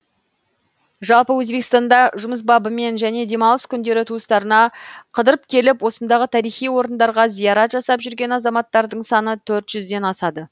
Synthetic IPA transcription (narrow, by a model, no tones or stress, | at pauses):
ʒɑlˠpəwɵzbe̞kst̪ɑnd̪ɑʒʊməs̬bɑbəme̞nʒæne̞d̪e̞mɑlˠəskʲʰʏnd̪e̞ɾɪt̪ʰuəst̪ɑɾənɑqʰəd̪əɾəp̚kʲʰe̞lɪpwo̞sənd̪ɑʁət̪ʰɑɾijχijwo̞ɾənd̪ɑɾʁɑzijɑɾɑt̪ʒɑsɑpʒʏɾɡʲe̞nɑzɑmɑt̪ːɑɾd̪əɴsɑnət̪ʰɵɾt̪ʒʏzd̪e̞nɑsɑd̪ə